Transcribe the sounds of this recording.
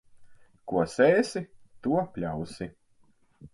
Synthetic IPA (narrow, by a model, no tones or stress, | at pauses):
kuɔseːsit̪uɔpʲlʲawsi